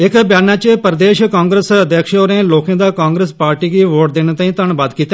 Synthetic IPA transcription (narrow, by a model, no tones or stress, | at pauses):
ekbjaːnat͡ʃepəɾd̪eːʃkãːŋɡɾesɐd̪ʱjəkʃoːɾẽloːkẽd̪akãːŋɡɾespaːɾʈikiʋoːʈ̚d̪ɪñt̪aːĩt̪əɳ̃baːd̪kiːt̪e